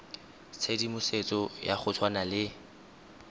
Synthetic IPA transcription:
t͡sʰedimʊset͡sʼɔjaχʊt͡sʰwanalɪ

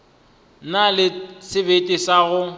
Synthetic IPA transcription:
nalɪsɪbetʼɪsaɣʊ

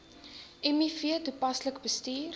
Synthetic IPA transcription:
ʔɛmifiətupɐsləkbəstiːr

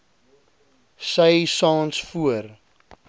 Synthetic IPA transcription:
səjsɑːnsfuər

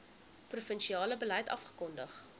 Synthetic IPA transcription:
prufənʃiɑːləbəlɐjtɐ̰fχə̥kɔndəχ

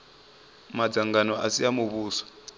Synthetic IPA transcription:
mad͡zaŋɡanɔʔasiamuβuːsɔ̥

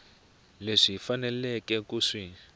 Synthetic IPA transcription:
leʂifanɛlɛkɛkuʂi

